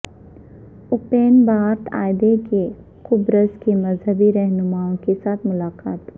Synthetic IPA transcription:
ʊpeːnbaːɾt̪ʰa̰ːɪd̪eke | xʊbɾəskemɐzɦəbiɾɛɦnʊmaːõkesaːt̪ʰmʊlaːqaːt̪

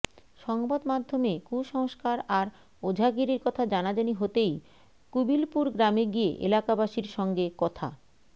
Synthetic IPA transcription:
ʃɔŋbad̪mad̪ʱːomekuʃɔŋoʃkaɾaɾ | od͡ʑʱaɡiɾiɾkɔt̪ʰad͡ʑanad͡ʑaniɦot̪ej | kubilpuɾɡɾameɡiḛʔḛlakabaʃiɾʃɔŋɡekɔt̪ʰa̰

